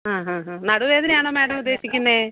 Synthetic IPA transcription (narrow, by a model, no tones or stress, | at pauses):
ɦãːɦãːɦãːnɐɽuʋeːðinaːɳɐmaːʈɐmud̪ːe̞ːsikʲːunːeː